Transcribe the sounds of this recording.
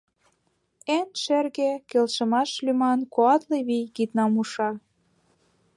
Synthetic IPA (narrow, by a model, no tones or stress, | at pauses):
enʃerɣekelʃə̆mɑʃlymɑnkoɑt̪leβijkit̪nɑmuʃɑ